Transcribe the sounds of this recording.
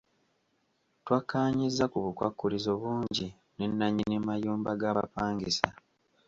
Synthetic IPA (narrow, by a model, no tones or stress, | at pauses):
twakːaːɲizːakuβukwa̰kːulizo̞βuːɲɟi | ne̞nːaɲinemajuːmbaɡaːβa̰paːŋɡesa